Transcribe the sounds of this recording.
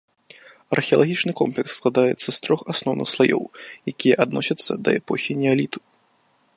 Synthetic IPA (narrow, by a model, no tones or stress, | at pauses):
ɐrxʲɛɐlˠaɣʲit͡ʂnɨkɔmplʲɛksːklˠad̪ajɛt̪sːɐst̪ɾɔxasnɔwnʔɨ̰xslˠajɔ̰wjakʲijɐʔad̪nɔsʲɐt̪sːɐd̪ɐɛpɔxʲinʲɛalʲit̪u̥